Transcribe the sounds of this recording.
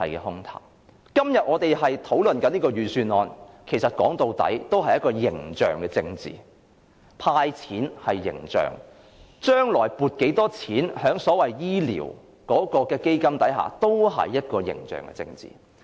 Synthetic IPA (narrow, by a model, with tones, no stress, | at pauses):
hɐ˨jkɛː˧hʊ˥ŋt̪ʰa̰ː˨˩w | kɐ˥mjɐ˨t̚ʔŋɔː˨˧t̪e˨jɦɐ˨jt̪ʰo˨˥wlɵ˨nkɐ˨˥niː˥kɔː˧jyː˨syː˧nɔː˨˧nkʰe˨˩jsɐ˨t̚kɔ̰ː˨˥ŋt̪o˨˧wt̪ɐ̰˨˥jt̪o˥whɐ˨jːɐ˥t̚kɔː˧jɪ˨˩ŋt͡ʃœ̰ː˨ŋkɛː˧t͡sɪ˧ŋt͡sḭː˨ | pʰaː˧jt͡sʰiː˨˥nhɐ˨jːɪ̰˨˩ŋt͡ʃœ̰ː˨˩ŋ | t͡ʃœː˥ŋlɔː˨˩jpuː˨˩t̚ke˨˥jt̪ɔː˥t͡sʰiː˨˥nhœː˨˥ŋsɔː˨˥wɐ˨jjiː˥lḭː˨˩w | kɔː˨˥kɔː˧kɛː˧ke˥jkɐ˥mt̪ɐ˨˥jɦa̰ː˨˩t̪o˥wɦɐ̰˨jːɐ˥t̚kɔː˧jɪ̰˨˩ŋt͡ʃœ̰ː˨ŋkɛ̰˧t͡sɪ̰˧ŋt͡sḭː˨